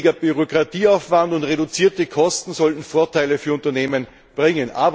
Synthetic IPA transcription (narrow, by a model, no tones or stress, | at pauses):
ɪɡɐb̥yʁokʁ̥atiːaʊfv̥andʊntʁeɾʊt͡siːɐtəkʰɔstn̩zɔltn̩foːɐtʰaɪləfyːɐʊ̃ntɐneːmən | b̥ʁɪŋənʔa̰ːb